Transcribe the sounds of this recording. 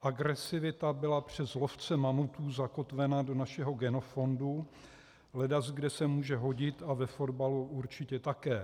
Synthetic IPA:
ʔaɡɾɛsɪvɪt̪abɪlapr̝̥ɛzlo̞ft͡sɛmamut̪uːzako̞t̪vɛnado̞naʃɛɦo̞ɡɛno̞fo̞ndu | lɛdazɡdɛsɛmuːʒɛɦo̞ɟɪt̪avɛfo̞dbaluuɾt͡ʃɪcɛt̪akɛː

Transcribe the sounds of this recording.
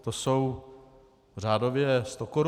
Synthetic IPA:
t̪osow | r̝aːdo̞vjɛst̪o̞koɾ

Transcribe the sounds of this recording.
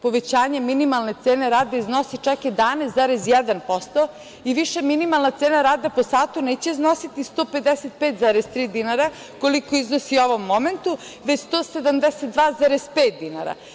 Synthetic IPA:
po̞ʋe̞t͡ɕaːɲe̞minimalˠne̞t̪seːneɾaːd̪eizno̞sit͡ʃaked̪aːnest̪zaːɾezjɛd̪anpost̪o | iʋiʃeminimalˠnat̪seːnaɾaːd̪aposaːt̪uneːt͡ɕeiznosit̪ist̪oːped̪eset̪̚peːt̪zaːɾest̪ɾiːd̪inaɾa | ko̞likoiznosio̞ʋomːoment̪u | ʋet͡ɕst̪oːse̞d̪amd̪eset̪̚d̪ʋaːzaːɾezpeːt̪̚d̪ina̰ɾa̰

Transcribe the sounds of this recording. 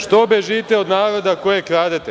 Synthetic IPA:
ʃt̪obeʒiːt̪eod̪naːɾo̞d̪akojekɾaːd̪et̪e

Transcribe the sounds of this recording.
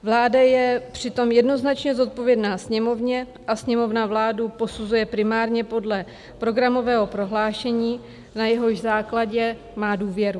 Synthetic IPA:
vlaːdajɛpr̝̥ɪt̪o̞mjɛdno̞znat͡ʃɲɛzo̞t̪̚po̞vjɛdnaːsɲɛmo̞vɲɛ | ʔasɲɛmo̞vnavlaːdupo̞suzujɛpɾɪmaːɾɲɛpo̞dlɛ | pɾo̞ɡɾamo̞vɛːɦo̞pɾo̞ɦlaːʃɛɲiː | najɛɦo̞ʒzaːklaɟɛ | maːduːvjɛɾu

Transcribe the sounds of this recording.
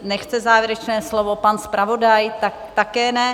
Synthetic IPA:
nɛxt͡sɛzaːvjɛɾɛt͡ʃnɛːslovopanspɾʔavo̞dajt̪ak̚t̪akɛːnɛ

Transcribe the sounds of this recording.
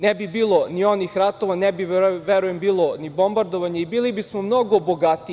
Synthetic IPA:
nɛbibiːlˠonio̞nixɾat̪o̞ʋanɛbiʋeɾujembiːlˠonibo̞mbaɾd̪oʋaɲeibiːlibismomno̞ɡoboɡat̪i

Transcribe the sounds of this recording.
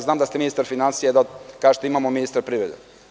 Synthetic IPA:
zaːmd̪ast̪eminist̪aɾfinansijed̪akaːʒet̪imaːmominist̪aɾpɾiːvɾed̪ḛ

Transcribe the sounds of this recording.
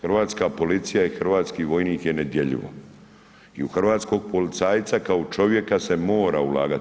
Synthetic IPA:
xrʋaːt̪skapo̞lit̪sijaixrʋaːt̪skiːʋo̞jniːkje̞ne̞d̪je̞ʎḭʋo̰ | iuxr̩ʋaːt̪sko̞ɡ̚po̞lit̪saːjt̪sakaot͡ʃo̞ʋje̞kase̞mo̞ːɾaulˠa̰ːɡa

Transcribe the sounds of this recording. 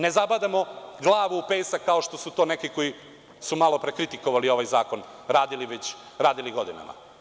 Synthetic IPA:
nezabad̪amo̞ɡlˠaːʋuːpejsakaoʃt̪o̞sut̪o̞ːne̞kiko̞ji | sumalo̞pɾekɾit̪ikoʋalio̞ʋajzaːko̞n | ɾaːd̪iliʋet͡ɕ | ɾaːd̪iliɡo̞d̪ina̰ma̰

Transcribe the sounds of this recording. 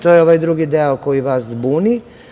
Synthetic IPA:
t̪ojeo̞ʋajd̪ɾuɡid̪eoko̞jiʋaszbuːni

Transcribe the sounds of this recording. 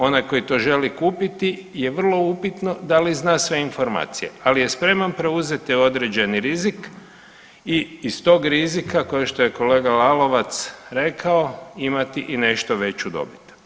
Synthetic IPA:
o̞najko̞jit̪o̞ːʒe̞likuːpit̪ije̞ʋər̩lˠo̞upit̪no̞d̪aliznaːsʋe̞info̞ɾma̰ːt̪sije̞̰alije̞spɾe̞manpɾe̞uze̞t̪io̞d̪ɾed͡ʑe̞niɾizik | iːst̪o̞ɡɾizikakojeʃt̪o̞je̞ko̞le̞ːɡalalo̞ʋat̪sɾe̞kʰao̞imat̪iʔine̞ʃt̪oʋe̞t͡ɕud̪o̞̰bit̪u̥

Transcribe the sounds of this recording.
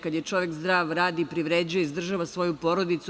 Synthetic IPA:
kad̪jet͡ʃo̞ʋekzd̪ɾaːʋɾaːd̪iːpɾiʋɾed͡ʑujeizd̪r̩ʒaʋasʋo̞jupo̞ɾod̪it̪su

